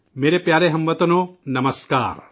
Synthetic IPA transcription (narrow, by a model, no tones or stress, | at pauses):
meːɾepjaːɾeɦɐmʋɐt̪ɐnoːnɐmɐska̰ːɾ